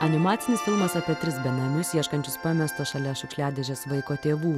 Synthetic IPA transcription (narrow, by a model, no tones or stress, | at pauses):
ɐnʲɪmɑːt̪sʲɪnʲɪsfʲɪlˠmɐsɑpʲiɛt̪ʲɾʲɪsbʲɛnɐnʊsjiɛʃkɐnʲt͡ʃʲʊspɑmʲɛst̪oːʃɐlʲɛʃʲʊkʃʲlʲæːd̪ʲeʒʲɛːsʋɐɪkoːt̪ʲeːʋuː